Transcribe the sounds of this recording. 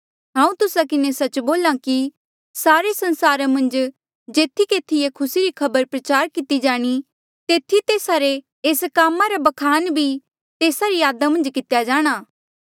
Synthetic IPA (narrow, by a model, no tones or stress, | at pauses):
ɦãːũt̪ʊsakɪnesɐt͡ʃboːlãki | saːɾesɐ̃nsaːɾamɐ̃nd͡ʒ | d͡ʒeːt̪ʰikeːt̪ʰːijekʰʊsiɾikʰɐbəɾpɾɐt͡ʃaːɾkɪt̪id͡ʒaːɽ̃i | t̪eːt̪ʰːit̪eːsaɾe | eːskaːmaɾabɐkʰaːnbʱi | t̪eːsaɾijaːd̪amɐ̃nd͡ʒkɪt̪jad͡ʒaːɽ̃aː